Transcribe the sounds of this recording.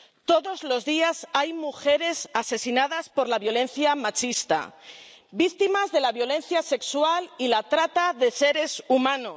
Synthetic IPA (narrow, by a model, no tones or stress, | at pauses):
t̪o̞ðo̞zlo̞zðiasajmuxe̞ɾe̞sase̞sinað̞aspo̞ɾlaβjo̞le̞nθjamat͡ʃist̪a̰ | bik̚t̪imazðe̞laβjo̞le̞n̟θjase̞kswalilat̪ɾat̪aðe̞se̞ɾe̞sumãno̞s